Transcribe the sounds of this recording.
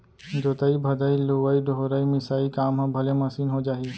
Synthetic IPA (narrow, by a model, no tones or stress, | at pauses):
d͡ʒoːt̪aibʱɐd̪ailoʋəiɖʱoɾəimɪsaːikaːmɦãbʱɐlemɐsiːnɦod͡ʒaːi